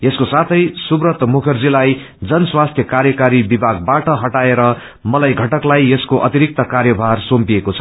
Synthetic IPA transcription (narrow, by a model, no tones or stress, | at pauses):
eskosat̪ʰʌjsubrʌt̪mukʰʌrd͡zilaj | d͡zʌnswast̪ʰjʌkarjʌkaɾibibʱaɡ̚baʈʌɦʌʈaeɾʌ | mʌlajɡʱʌʈʌklajeskoʔʌt̪iɾik̚t̪ʌkarjʌbʱarsompiekot͡sʰʌ̥